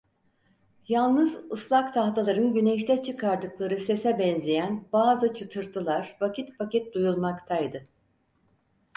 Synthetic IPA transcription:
jalˠnɯzɯslˠakt̪ʰaht̪ʰalˠaɾɯnɟynɛʃt̪ʰɛt͡ʃʰɯkʰaɾd̪ɯklˠaɾɯse̞sɛbɛnzʲejænbaːzɯt͡ʃʰɯt̪ʰɯɾt̪ʰɯlˠaɾvacit̪pʰacɛt̪̚d̪ujulˠmakt̪ʰajd̪ɯ

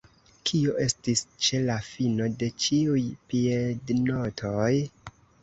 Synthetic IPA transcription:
kʰio̞ʔe̞stist͡ʃe̞lafino̞de̞t͡ʃiujpiedno̞tʰo̞j

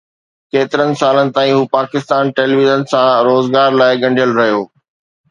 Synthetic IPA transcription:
keːt̪ɪɾənɪ̆saːlənɪ̆t̪aːĩɦuːpaːkɪst̪aːnʈeːliːʋizənsãɾoːzɡaːɾlaːɪɠɐ̃ɳɖʱijəlɾɐɦijoː

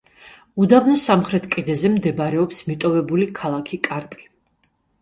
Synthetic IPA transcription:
ud̪abnɔsamχɾɛt̪ʰkʼid̪ɛzɛmd̪ɛbaɾɛɔpsmit̪ʼɔvɛbulikʰalˠakʰikʼaɾpʼi̥

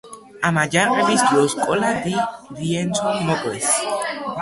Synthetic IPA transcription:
amad͡ʒaɾɛbisd̪ɔskʼɔlad̪iɾiɛnsʰɔmɔɡʼɾɛs

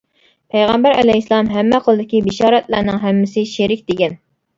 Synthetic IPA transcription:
pʰɛjʁæmbæɾɛ̰lɛjslˠɑmɦɛmːɛqʰəlˠɨd̪ɪkʲibɪʃɑːɾɛt̪̚læɾnɨŋɦæmːɪsɪʃeɾɪkʲd̪eɡʲɛn

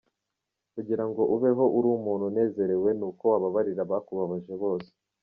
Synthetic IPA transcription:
kuɟiɾaŋɡo̞ʔuβe̞ɦo̞ʔuɾuːmuːnhune̞ːze̞ɾe̞we̞nuːko̞waβaβaɾiɾaβakuβaβaʒeβo̞se̥

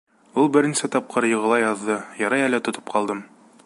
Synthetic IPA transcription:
ulˠbɘ̆ɾɘnisɘt̪ɒp̚qɤɾjɤ̆ʁɤ̆lˠɑjɒðːɤjɒɾɑjælæt̪ŏt̪ɤ̥pqʰɒlˠd̪ɤm

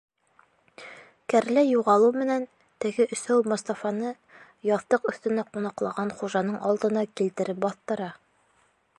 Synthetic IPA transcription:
kæɾlæjuʁɑlˠuwmɘ̆næn | t̪ɘ̆ɡɘʔɵ̆sæwmŏst̪ɑfɑnɤ | jɑðt̪ɤqɵ̆θt̪ɘ̆næqunɑqlˠɑʁɑnχuʒɑnɤɴʔɑlˠd̪ɤ̆nɑkilt̪ɘ̆ɾɘp̚bɑθt̪ɤ̆ɾɑ

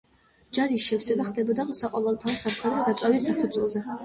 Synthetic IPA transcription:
d͡ʒaɾiʃɛfsɛbaχd̪ɛbɔd̪asaqʼɔvɛlˠt̪ʰaɔsapʰχɛd̪ɾɛd̪at̪sʼavisapʰud̪sʰʼɛlˠzɛ

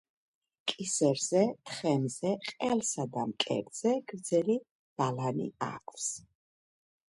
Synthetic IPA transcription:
kʼisɛɾzɛt̪ʰχɛmzɛqʼɛlsad̪amkʼɛ̰ɾd̪z̥ɛɡ̥ɾd̪zɛli | b̥alanḭa̰kʰʼs

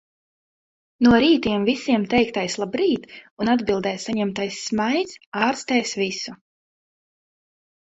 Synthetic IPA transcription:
nuɔɾiːt̪iɛmvisiɛmt̪ɛjk̚t̪ajslˠabɾiːt̪unad̪bilˠd̪ɛjsaɲɛmt̪ajsːmajt̪saːɾst̪ɛjsvisu

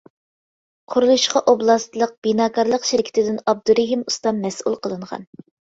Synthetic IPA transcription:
qʰʊɾulˠuʃqɑʔoblˠɑst̪lˠəq̚b̥inɑːkʰɑɾlˠəqʃɪɾkʲʰi̥t̪ɪd̪ɪnɑb̚d̪uɾeɦimust̪ɑnmɛsṵlˠqʰəlˠɨɴʁɑ̰n

